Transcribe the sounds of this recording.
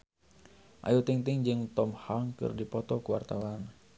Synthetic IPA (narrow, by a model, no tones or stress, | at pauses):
ʔa̰jut̪iŋt̪iŋd͡ʒɨŋt̪ɔmhaŋkɨ̰rdipɔt̪ɔkuwart̪awan